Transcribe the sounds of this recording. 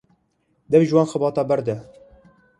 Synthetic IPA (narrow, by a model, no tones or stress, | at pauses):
d̪ɛvʒwɑːnxəbɑːt̪ɑːbɛɾd̪ɛ